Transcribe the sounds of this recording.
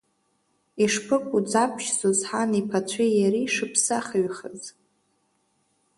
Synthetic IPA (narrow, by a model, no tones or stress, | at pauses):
iʂpʰɨkʷʼud͡zʼapʷʰʃzozħanipʰat͡ɕʷʰijaɾiʂɨpʰsaχəɥχəz